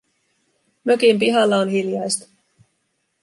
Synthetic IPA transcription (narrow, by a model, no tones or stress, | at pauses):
møkimp̬iɦɑlːɑonɦiljɑjst̪ɑ̥